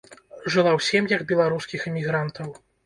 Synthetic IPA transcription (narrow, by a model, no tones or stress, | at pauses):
ʐɨlˠawsʲimjɐɡbʲɛlˠaɾuskʲixɨmʲiɣɾant̪ɐw